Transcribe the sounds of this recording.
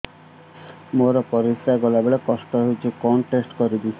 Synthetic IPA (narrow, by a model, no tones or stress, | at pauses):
moɾɔpɔɾisɾaɡɔlabeɭekɔsʈɔɦewt͡ʃʰikɔɳʈesʈkɔɾid̪isʰi